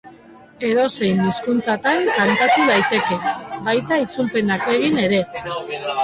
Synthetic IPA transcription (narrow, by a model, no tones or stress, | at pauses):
e̞ðo̞se̞jniskunt͡sat̪aɾkant̪at̪uð̞ajt̪e̞ke̞bajt̪ait͡sulpe̞nake̞ɣ̞ine̞ɾe̞